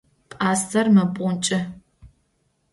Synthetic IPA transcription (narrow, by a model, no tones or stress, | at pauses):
pʼaːstʰɐrmɐpʷʼʊnt͡ʃʼɪ